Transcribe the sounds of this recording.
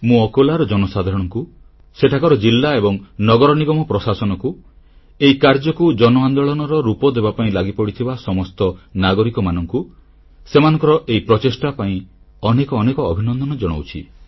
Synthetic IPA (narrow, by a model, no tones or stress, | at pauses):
mũɔkolaɾɔd͡ʒɔnɔsad̪ʱaɾɔɽ̃ɔŋku | seʈʰakɔɾɔd͡ʒilːaebɔŋnɔɡɔɾɔniɡɔmɔpɾɔsasɔnɔku | eikaɾd͡ʒɔkud͡ʒɔnɔand̪ɔɭɔnɔɾɔɾupɔd̪ebapaĩlaɡipɔɽit̪ʰibasɔmɔst̪ɔnaɡɔɾikɔmanɔŋku | semanɔ̃ŋkɔɾɔʔeipɾɔt͡ʃesʈapaĩ | ɔnekɔːnekɔːbʱinɔnd̪ʱɔnɔd͡ʒɔɽ̃o̰wt͡ʃʰḭ